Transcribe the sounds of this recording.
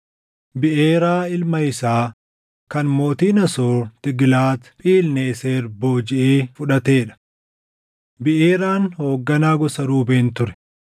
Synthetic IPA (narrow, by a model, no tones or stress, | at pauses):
bɪʔeːɾaːɪlmɐɪsaː | kɐnmo̞ːt̪iːnɐsoːt̪ɪɡlaːt̪pʼiːlneːseːɾbo̞ːd͡ʒɪʔeːfʊᶑɐt̪e̞ːᶑɐ̥ | bɪʔeːɾaːnho̞ːɡːɐnaːɡɔsɐɾuːbeːnt̪ʊɾɛ̥